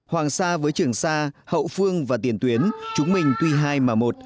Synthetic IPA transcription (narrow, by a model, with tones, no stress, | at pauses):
hwaː˨˩ŋsaː˧vəː˨˦jt͡ɕɨ˨˩əŋsaː˧hə̰˧˨wfɨ˧əŋvaː˨˩t̪i˨˩ənt̪wi˨˦ənt͡ɕʊ˨˦ŋ͡mmï˨˩ŋ̟t̪wi˧ɦaː˧jmaː˨˩mo˨˩t̚